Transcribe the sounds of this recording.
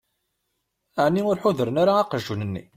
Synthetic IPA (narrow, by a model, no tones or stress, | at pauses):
əʕnːiʊɾħʊðəɾənaɾaːqəʒːunənːḭ